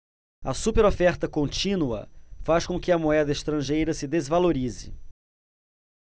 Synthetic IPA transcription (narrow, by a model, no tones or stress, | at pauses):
ɐsupeɾofɛɾt̪ɐkõnt͡ʃĩnuɐ̰faskõkɪɐmoɛd̪ɐɪʃt̪ɾɐ̃ʒejɾɐsɪd̪ezvaloɾizɪ̰